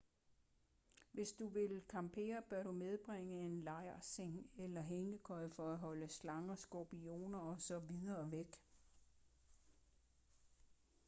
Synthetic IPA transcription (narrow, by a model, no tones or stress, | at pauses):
ʋe̝sd̥uʋe̝lkʰɑ̈mpʰe̝̰ːɐb̥ɶɐɾ̥umeð̞ˠb̥ʁeŋəe̝nlɑ̈ɪɐseŋelɐɦeŋɡ̥əkʰɒ̽ɪfɒ̽æɦɒ̽ləslɑ̈ŋɐsɡ̥opio̝̰ːnɐɒ̽sɒ̽ʋið̞ˠɐːʋeɡ̥